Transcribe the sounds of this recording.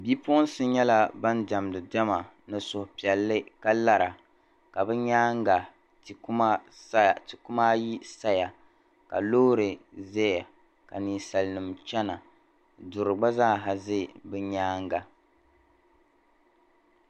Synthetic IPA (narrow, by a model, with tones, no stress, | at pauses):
bi˦po˦n˦sɨ˦ɲɛ˦la˦ba˦nda˨m˨dɨ˨da˦ma˨ | nɨ˨sʊ˨hʊ˨pi˨ɛ˨lːɨ˦ka˦la˦ɾa˨ | ka˨bɛ˦ɲaː˦ŋ˦ɡa˨ | ti˨kma˦ | stɪ˨kʊ˦ma˦ji˦sa˦ja˨ | ka̰˨loː˦ɾɨ˨zɛ˦ja˨ | ka˨niː˨sa˨lnɨ˨mt͡ʃɛ˦na˨ | dʊ˨ɾɨ˨ɡ͡ba˦zaː˦˨ɦa˨zɨ˦bɨ˦ɲaː˦ŋɡa˨